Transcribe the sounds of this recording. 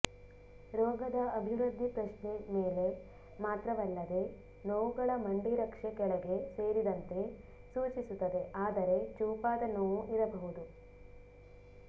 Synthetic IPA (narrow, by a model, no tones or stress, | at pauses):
ɾɔːɡɐd̪ɐɐbʱiɾud̪ʱːipɾɐʃɳemeːle̞ | maːt̪ɾɐʋɐlːɐd̪e̞ | nɐʋuɡɐɭɐmɐɳɖiɾɐkʂɐkɛɭɐɡe̞seːɾid̪ɐnt̪e̞ | suːt͡ʃisut̪ːɐd̪e̞ʔaːd̪ɐɾe̞t͡ʃuːpaːd̪ɐnoːʋuʔiɾɐbɐɦud̪u